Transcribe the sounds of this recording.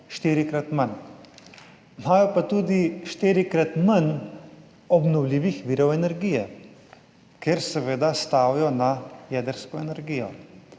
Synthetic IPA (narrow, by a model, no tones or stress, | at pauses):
ʃt̪iːɾikɾat̪man | maːjɔpat̪uːd̪iʃt̪iːɾikɾat̪man | ɔbnɔwliːʋixʋiːɾɔwɛnɛɾɡiːjɛ | kɛɾsɛʋeːd̪ast̪aːwjɔnajɛːd̪əɾskɔɛnɛɾɡiːjɔ